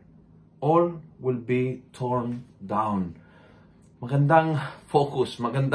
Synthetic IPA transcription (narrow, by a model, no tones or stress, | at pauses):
ɔlwɪlbitʰɔɹndãw̃n | mɐɡəndaŋfokusmɐɡənd